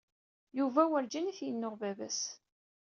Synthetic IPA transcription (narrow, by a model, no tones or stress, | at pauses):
juvæwəɾd͡ʒiniθjənːoʁvævæ̰s